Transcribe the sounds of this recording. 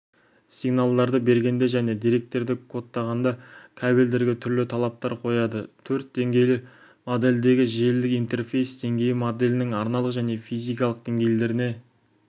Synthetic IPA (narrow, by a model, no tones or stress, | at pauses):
siɡnalˠd̪ɑɾd̪əbe̞ɾɡʲe̞nd̪e̞ʒæne̞d̪ijɾe̞k̚t̪e̞ɾd̪ɪkʰo̞t̪ːɑʁɑnd̪ɑkʲʰæbeld̪eɾɡʲɪt̪ʰʏɾlɪt̪ʰɑlˠɑp̚t̪ɑɾqʰo̞jɑd̪ət̪ʰɵɾt̪̚d̪e̞ŋɡʲe̞jlɪ | mod̪e̞ld̪e̞ɡʲɪʒe̞ld̪ɪkijnt̪e̞rfe̞jsd̪e̞ŋɡʲe̞jɪmod̪e̞lʲɪnɪŋɑɾnɑlˠəqʒæne̞fijzijkɑlˠəqd̪̥e̞ŋɡʲejle̞ɾɪne̞